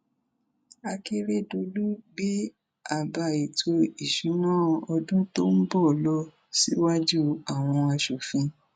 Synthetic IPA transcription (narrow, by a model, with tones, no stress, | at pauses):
a˧ke˦ɾe˦do˧lu˦bi˦ | a˨ba˧i˨tʰo˧i˨ʃũ˨˦nãː˦˨˧ɔ˧dũ˦to˦m̩˦bɔ˦˨lɔ˦ | si˦wa˦d͡ʒu˦a˨w̃ɔ̃˧a˧ʃo˨fĩ˧